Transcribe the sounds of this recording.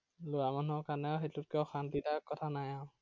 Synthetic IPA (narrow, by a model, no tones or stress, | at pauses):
lʊamanuɔkanɛxetʊt̚kɛʊxantitakːɔtʰanajã